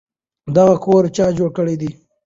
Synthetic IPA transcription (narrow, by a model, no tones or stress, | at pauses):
d̪aɣakʰoːɾt͡ʃɑːd͡ʒoːɽkəɽid̪i